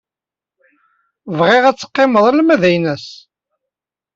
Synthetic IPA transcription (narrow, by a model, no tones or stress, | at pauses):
vʁeʁæt͡sːə̥qːeməðˤælmæðæjnæs